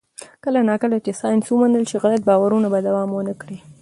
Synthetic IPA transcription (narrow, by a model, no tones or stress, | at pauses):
kəlanɑkəlat͡ʃesɑjnswəmanəlt͡ʃeɣalat̪̚bɑwaɾunabad̪awɑmwənəkɽi